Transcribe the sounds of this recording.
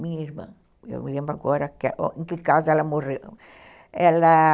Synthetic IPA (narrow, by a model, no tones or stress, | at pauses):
mĩɲɐiɾmɐ̰̃ | ḛwlẽmbɾʊaɡɔɾɐkʔoẽŋkɪkazɛlɐmorew | ɛlɐ